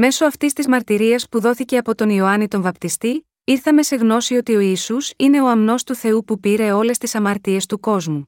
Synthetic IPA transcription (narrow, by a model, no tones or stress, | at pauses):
me̞so̞ɐft̪ist̪izmɐɾt̪iɾiɐspuðo̞θice̞ɐpo̞t̪o̞nio̞ɐnit̪o̞ɱvɐpt̪ist̪i | iɾθɐme̞se̞ɣno̞sio̞t̪io̞isusine̞o̞ɐmno̞st̪uθe̞upupiɾe̞o̞le̞st̪isɐmɐɾt̪ie̞st̪uko̞zmu